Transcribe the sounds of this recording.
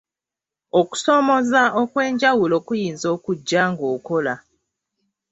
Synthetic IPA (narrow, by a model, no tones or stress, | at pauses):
oku̥so̞mo̞zaʔokwe̞ːɲɟawulo̞ːkujiːnzo̞ːkuɟːaŋɡoːkola